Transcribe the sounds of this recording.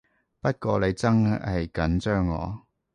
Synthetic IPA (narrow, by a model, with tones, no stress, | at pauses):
pɐ˥t̚kɔː˧le˨˧jt͡sɐ˥ŋhɐ˨jkɐ˨˥nt͡ʃœː˥ŋːɔ̰ː˨˧